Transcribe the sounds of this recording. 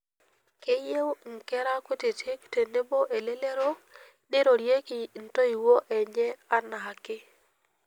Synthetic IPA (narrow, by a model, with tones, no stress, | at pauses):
ke˦je˦wŋ˨ke˦ɾa˦ko˦te˨te˦kte˨ne˦bo˦ʔe˨le˦le˦ɾo˦ | ɗe˦ɾo˨ɾje˦ki˨n̩˨to˦i˨wo˦ʔɛ˨ɲɛ˦a˦na˨ɦa˨kːɪ˦